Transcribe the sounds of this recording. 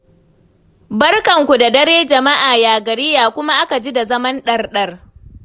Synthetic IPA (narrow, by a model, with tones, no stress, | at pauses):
bɐ˦rkɐ˨ŋkʷu˨da˨dɐ˦ɽeː˦d͡ʒɐ˨ma˦ʔaː˨jaː˨ɡɐ˨ɾɪ˦jaː˨kʷʊ˦ma˦ʔa˦ka˨d͡ʒiː˦da˨zɐ˦mɐ˦nɗɐ˦rɗɐ˦r